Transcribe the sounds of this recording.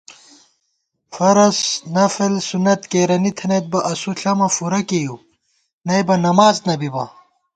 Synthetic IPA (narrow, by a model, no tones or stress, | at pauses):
fɐɾɐsnɐflsunɐt̪keːɾɐnit̪ʰɐnet̪̚bɐʔɐsuɬʰɐmɐfuɾɐkeju | nɐjbɐnɐmaːznɐbibɐ̰